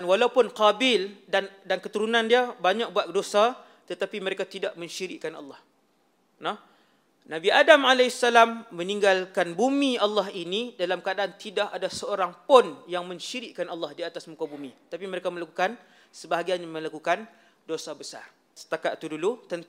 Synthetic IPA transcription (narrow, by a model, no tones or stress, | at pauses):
nwalaupʊnqabɪldandankət̪uɾunãndiabaɲak̚buat̪̚dosa | t̪ət̪apiməɾekat̪idaʔmə̃ɲʃiɾɪ̰ʔkanɑ̰lːɑh | nɔh | nãbiʔadamʕalasalamːə̃niŋɡalkanbumĩalːɑɦinidalamkadaʔant̪idaʔadasəoɾaŋpʊnjaŋmə̃ɲʃiɾɪʔkːanɑlːɑhdiat̪asmukabumiət̪apiməɾekaməlakukan | səbaɦaɡianamə̃lakukan | dosabəsa̰r | sə̥t̪akat̪t̪udulut̪ən